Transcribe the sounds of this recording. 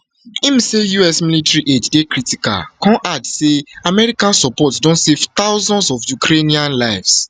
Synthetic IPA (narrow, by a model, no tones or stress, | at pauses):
imĩsejuɛsmilitaɹiʔed͡ʒdekɹitika̰lkʰɔ̃nʔadseamɛɹikãnsɔpɔtsdõntsevt̪aʊzɔ̃ndsɔfjukɾeniãnlaɪvs